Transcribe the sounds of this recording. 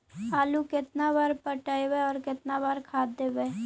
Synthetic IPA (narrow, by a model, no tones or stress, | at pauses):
aːlukɪt̪nabaːɾpəʈəeweɔːɾkɪt̪nabaːɾkʰaːd̪eːʋẽː